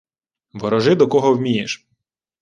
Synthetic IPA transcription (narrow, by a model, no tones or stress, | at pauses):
ʋɔɾɔʒɪd̪ɔkɔɦɔwmʲijeʃ